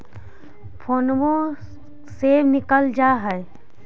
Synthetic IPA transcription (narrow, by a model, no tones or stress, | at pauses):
pʰonʋõ | senɪkəld͡ʒaːɦɛj